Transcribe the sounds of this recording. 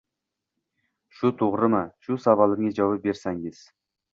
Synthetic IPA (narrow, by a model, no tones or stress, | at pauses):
ʃʊt̪ʰoʁɾɨmɪʃʊsɑbɑlˠɪɾŋed͡ʒɑwɑp̚beɾsaŋɪz̥